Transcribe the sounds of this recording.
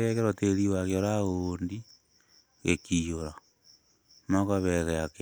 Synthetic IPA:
ɣekeɾoteɾiwakoɾaɣoːndi | ɣekijoɾa | nakaβeɣeake

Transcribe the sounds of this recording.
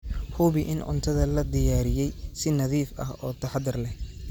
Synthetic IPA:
hʊβɪʔɪnʕʊ̰nt̪ʰɐðɐlɐd̪ɪjaːɾɪjɛjsɪnɐðiːfɐ̰hɔːt̪ʰɐħɑd̪ɪrlɛ

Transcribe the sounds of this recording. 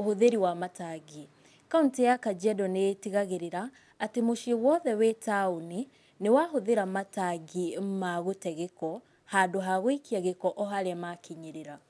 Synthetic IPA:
ohoðeɾiwamataɡi | kauntijakad͡ʒɛdɔneːtiɣaɣeɾeɾaː | temoʃewɔðɛwetaoni | newaɦoðeɾamataɡimaɣotɛɣekɔ | hadoɦaɣwikiaɣekɔʔɔɦaɾeamakʰiɲeɾeɾa

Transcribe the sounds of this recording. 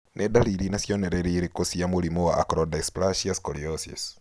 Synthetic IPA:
nʔɛdaliɾinasjɔnɛɾɛɾiɾekosiamoɾimowaʔakɾɔdaisplaʃiaskɔliɔsḭs

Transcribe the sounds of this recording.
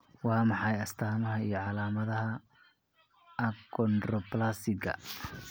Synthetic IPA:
wɑːmɑħɑjɐst̪ʰaːmɐɦɐijɞʕɑlaːmɐðɐɦɐ | ɐkʰɔnd̪rɔplasɪɡʰɐ̰

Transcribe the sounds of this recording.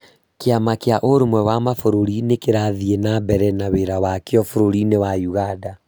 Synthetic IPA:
keamakeaʔoɾomwɛwamafoɾoɾinekeɾaðienabɛɾɛnaweɾawakjɔfoɾoɾinewajuɣada

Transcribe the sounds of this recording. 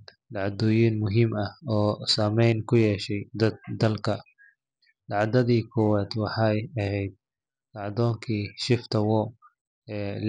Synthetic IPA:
lɑʕd̪ɔːjiːnmʊɦɪmɐhɔːsaːmɛjnkʰʊjɛːʃɛjd̪ɐd̪̚ːɐlkʰɐ | lɑʕd̪ɐðiːkʰɔwaːd̪wɑħɑjɐhɛjd̪̚ | lɑʕd̪ɔːŋkʰiːʃɪft̪ʰɐwɔ | l

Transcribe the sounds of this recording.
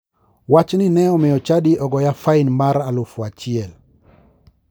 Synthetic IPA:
wat͡ʃninɛɔmɪɔt͡ʃadiʔɔɡɔjafaɪnmaɾalʊfwat͡ʃɪɛl

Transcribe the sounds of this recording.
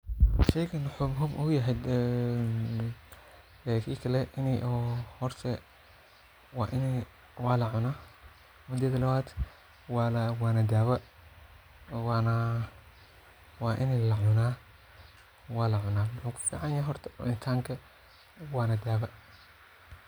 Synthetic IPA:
ʃɛjkʰɐnɐħɔːbɦʊbʊʊjɐɦɛjd̪ | kʰiːkʰɐlɛʔɪnɛʔhɔrt̪ʰɛ | waːʔɪnɛ | waːlɐʕʊnaː | mʊd̪jɐd̪ɐlɐwaːd̪ | walwaːnɐd̪aːβɐ | wana | waːʔɪnɛlɐʕʊnaː | waːlɐʕʊnaːnʊħuːkʰʊ̥fḭːʕɑnjaɦɔrt̪ʰɐ̥ɪnt̪ʰaːŋkʰɐ | waːnɐd̪aːβɐ

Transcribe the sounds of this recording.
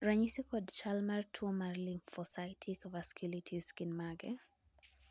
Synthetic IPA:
ɾaɲisikɔdt͡ʃalmartʰwɔmarlimfɔsajtʰikvaskulitʰiskinmaɡɛ

